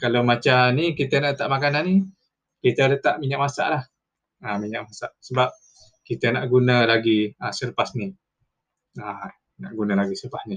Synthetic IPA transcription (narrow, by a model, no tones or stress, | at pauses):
kalawmat͡ʃanikit̪ənaʔət̪aʔmakananːi | kit̪ələt̪aʔmiɲaʔmasa̰ʔlah | əmiɲaʔmasaʔsəbap̚ | kit̪ənaʔɡunəlaɡiəsərpasni | a | na̰ʔɡunalaɡisərpasni